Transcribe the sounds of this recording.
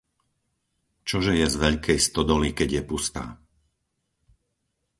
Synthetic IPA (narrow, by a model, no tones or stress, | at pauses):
t͡ʃɔʒɛjɛzʋɛʎkʰɛjst̪ɔd̪ɔlikɛɟjɛpust̪a̰ː